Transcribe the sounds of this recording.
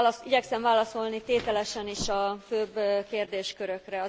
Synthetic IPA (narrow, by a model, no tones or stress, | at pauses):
iɟɛksɛɱvaːlɒso̞lnit̪eːt̪ɛlɛʃɛniʃɒføːbkeːrd̪eːʃkøɾø̞krɛɒ